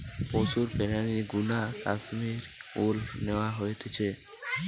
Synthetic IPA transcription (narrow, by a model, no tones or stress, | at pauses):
posuɾpeɾaniɡunakasmiɾ | ulneoaɦojet̪ʰet͡ɕʰe